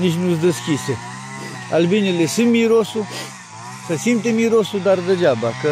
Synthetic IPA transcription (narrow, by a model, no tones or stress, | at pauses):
niʃ̬nusd̪ɐskise | ɐlbinilesɨmiɾosu | sɐsimt̪emiɾosud̪aɾd̪ɐd͡ʒaːbakɐ